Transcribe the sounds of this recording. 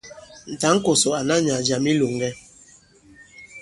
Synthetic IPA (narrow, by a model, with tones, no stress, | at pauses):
n̩˨ta˨˦ŋ̩˦kɔ˨sɔ˨a˨na˦ɲa˨d͡ʒa˨mi˦lo˨ŋ˨ɡɛ˦